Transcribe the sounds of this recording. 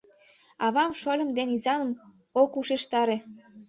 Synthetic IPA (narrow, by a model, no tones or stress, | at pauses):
ɑβɑmʃolʲə̆md̪enizɑnə̆m | okuʃeʃt̪ɑɾe